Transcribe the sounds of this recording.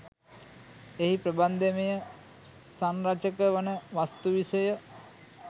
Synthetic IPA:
eɦipɾəband̪emejə | sanɾat͡ʃəkəʋənəʋast̪uʋisəjə

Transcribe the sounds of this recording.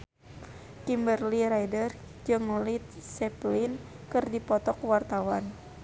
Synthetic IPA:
kimbərliɾajdər | d͡ʒɨŋlit̪̚sɛplin | kɨrdipɔt̪ɔkwart̪awan

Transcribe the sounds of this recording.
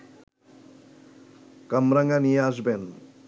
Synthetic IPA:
kɐmɾaŋɡanijazben

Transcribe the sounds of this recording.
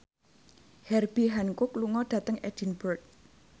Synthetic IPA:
hɛrb̥iɦaŋkʊkluŋɔɖ̥ä̤t̪əŋɛ̰d̥inbɔrt̪̚

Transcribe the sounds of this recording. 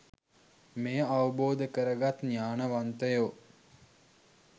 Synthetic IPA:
mejaʋəboːd̪əkəɾəɡat̪njaːnəʋant̪əjo

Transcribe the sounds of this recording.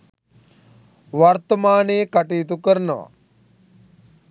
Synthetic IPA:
ʋaɾt̪əmaːnejkaʈiːt̪ukəɾənəʋa̰

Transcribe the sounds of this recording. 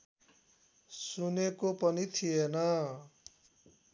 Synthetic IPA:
sunekopʌnit̪ʰijenʌ

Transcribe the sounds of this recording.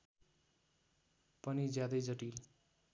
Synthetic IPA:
pʌnid͡zjad̪ʌjd͡zʌʈil

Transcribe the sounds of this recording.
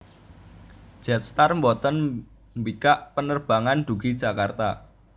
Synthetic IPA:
ʒ̥ɛt̪̚st̪armbɔt̪ən | mbikaʔpənərb̥a̤ŋand̪̥uɡ̥id̥ʒ̥a̤kart̪a

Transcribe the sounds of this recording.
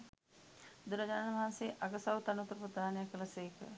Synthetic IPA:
d̪uɾɐd͡ʒaːnɐʋɐɦanseːʔaɡəsawt̪ɐnup̪ɾəpət̪aːnejakələseːkə̰

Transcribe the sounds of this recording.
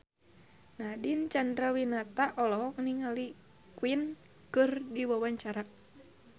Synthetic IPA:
nadint͡ʃandɾawinat̪aʔɔlɔɦɔk̚niŋali | kwin | kɨrdiwawaɲt͡ʃaɾa

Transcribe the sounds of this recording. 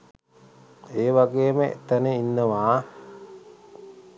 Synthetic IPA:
eːʋaɡeːməʔḛt̪ənəinːəʋaː

